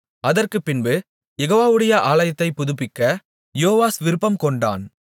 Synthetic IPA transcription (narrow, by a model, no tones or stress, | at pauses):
ɐðɐrkɯpːɪnbɯ | jɛɣoːʋaːʋɯɽɐjɐʔaːlɐjɐt̪ːɐɪpʊðɯp̬ːɪkːɐ | joːʋaːsʋɪɾɯpːɐmkɔɳɖa̰ːn